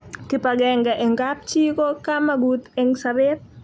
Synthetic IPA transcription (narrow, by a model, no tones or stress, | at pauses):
kipaɡɛŋɡaʔɛŋɡap̚t͡ʃikɔkamaɡut̪ɛŋsabet̚